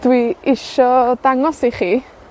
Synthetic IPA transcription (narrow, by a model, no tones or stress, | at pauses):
d̥wiɪʃɔd̥aŋɔsiχiː